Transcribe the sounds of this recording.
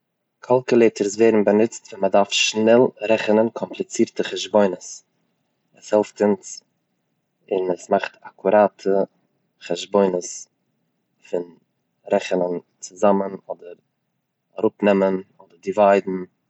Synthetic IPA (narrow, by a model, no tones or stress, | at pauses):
kʰalˠkulˠeːtʰəɾsveːɾn̩bənɪt͡stvɛlmədaɾfʃnɛlˠɾɛχənənkʰɔmplˠɪt͡siːɾtəχaʒboɪnəs | əshɛlˠftɪns | ɪnəsmaχtakʰuɾaːtʰə | χaʒboɪnəs | fɪn | ɾɛχənən | t͡sʊzamənɔdəɾ | aɾʊpnɛmənɔdəɾdɪvaɪdn̩